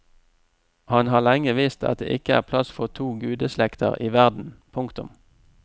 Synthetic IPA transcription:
hɑnɦɑːʁlɛŋəʋiːst̪ɑ̰t̪̚d̪ḛːʔɪkəæ̰ːʁpʰlɑsfɔʁt̪ʰuːɡʉːd̪əslɛkt̪ʰə̰ʁiːʋæʁd̪n̩pʰʊŋkt̪ʊm

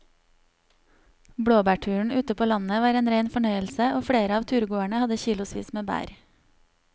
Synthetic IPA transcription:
bɽoːbæːʈʰʉːɳ̩ʉːt̪əpʰoːlɑnəʋɑːɾeːnɾeɪnfɔɳœʏəlsəʔoːfɽeːɾəɑːʋt̪ʰʉːɾɡoːæɳəhɑd̪əçiːlʊspḭːsmeːbæ̰ːɾ

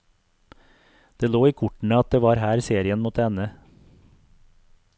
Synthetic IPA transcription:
d̪̥eːloːiːkʰʊʈɳ̩əɑt̪̚d̪eːʋɑːɾhæːɾseːɾɪənmɔt̪əɛnə

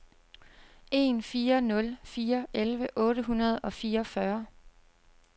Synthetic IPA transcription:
ʔe̝̰ːnfiːɐnɔ̽lfiːɐʔelʋəʔɔ̽ːɾəɦunɐð̞̩ˠɒ̽fiːɐɒfɶɐ

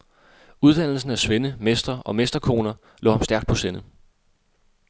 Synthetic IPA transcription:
uð̞ˠd̥æn̰l̩sn̩æsʋenəmesd̥ɐɒ̽mesd̥ɐkʰo̝̰ːnɐ | lʔɔ̰ːhɑ̈msd̥æɐɡ̥̚pʰɒ̽senə

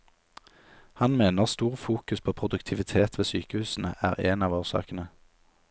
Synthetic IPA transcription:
hɑnmeːnəʁst̪uːʁfuːkʉspʰoːpʰʁʊd̪ʉkt̪ʰɪʋɪt̪ʰeːt̪ʋeːsyːkəhʉːsn̩ə̰ʔæːʁeːnɑːʋoːʁsɑ̰ːkən̩ə

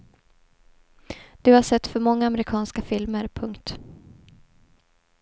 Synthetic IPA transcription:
d̪̥ɵhaʂɛt̪ːfœɾmɔŋːaamɾɪkʰɑːnskafɪlməɾpʰɵŋkt̪

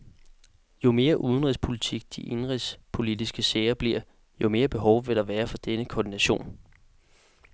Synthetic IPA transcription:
jo̝me̝ːɐʔuð̞ˠn̩ʁispʰo̝lit͡sʰiɡ̥̚d̥ḭʔe̝nʁispʰo̝lid̥isɡ̥əseːɪɐb̥liɐ̰ | jo̝me̝ːɐb̥e̝ɦɒʊʋe̝ɾ̥ɑ̈ʋæːɐfɒ̽d̥enəkʰɒːd̥inæɕo̝̰ːn

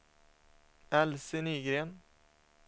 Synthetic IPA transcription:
ɛlsɪnyːɡɾeːn

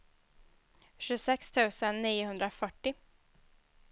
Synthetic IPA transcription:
ɕʉsɛkst̪ʰʉːsənːiːʊhɵnd̪ɾafœʈːɪ

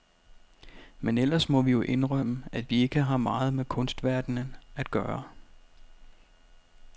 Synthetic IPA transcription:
menel̰ɐsmɒ̽ʋijo̝ʔe̝nʁœməæʋie̝ɡ̥əɦɑ̈mɑ̈ːð̞̩ˠmekʰɔ̽nsd̥ʋæɐd̥nənæd̥̚ɡ̥ɶːɐ

